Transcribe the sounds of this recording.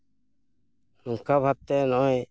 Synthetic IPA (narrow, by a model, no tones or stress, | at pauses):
nuŋkabʱap̚t̪ɛnɔʔɛ